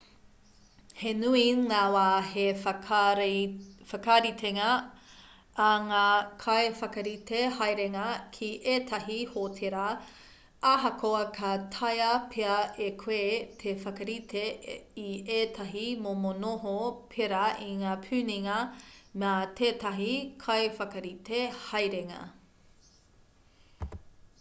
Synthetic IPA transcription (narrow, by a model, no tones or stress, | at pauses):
henuiŋaːwaːhe | ɾfɐkaɾit̪ʰeŋɐ | ɐŋaːkʰɐjfɐkɐɾit̪ehɐjɾeŋɐkʰiʔet̪ʰɐɦihotʰeɾɐ | aɦɐkʰoɐkʰɐt̪ʰɐjɐpʰeɐʔekʰweːt̪ʰefɐkɐɾit̪ʰeieːt̪ʰɐɦimomonoɦopʰeɾɐiŋaːpʰʉːniŋɐmeat̪ʰeːtɐɦikʰɐjfɐkɐɾitehɐjɾeŋɐ̰